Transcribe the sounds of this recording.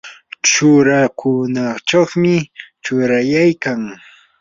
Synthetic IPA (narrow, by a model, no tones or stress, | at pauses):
t͡ʃʊɾakʰʊnat͡ʃaχmɪt͡ʃʊɾajajkaŋ